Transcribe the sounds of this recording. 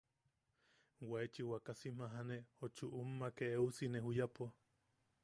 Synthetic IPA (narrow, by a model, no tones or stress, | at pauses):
waet͡ʃiwakasim̥aɦanehot͡ʃuʔumːakeeusineɦujapo